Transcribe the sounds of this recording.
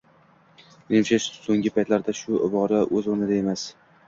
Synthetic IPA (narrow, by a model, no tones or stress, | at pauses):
nemʃaʃsoŋʲɪpʰajt̪laɾd̪aʃʊʔɪbɒɾaʔɵzonɪd̪ae̞mas